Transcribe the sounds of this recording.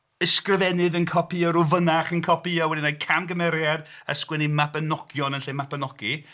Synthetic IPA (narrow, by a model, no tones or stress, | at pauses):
əskrəvɛnɨðənkʰɔpʰiəɾʊvənaχənkʰɔpʰiawɛdinajkʰamɡəmɛɾjada̰skwɛnimapənɔɡ̥jɔnənɬemapənɔɡ̥i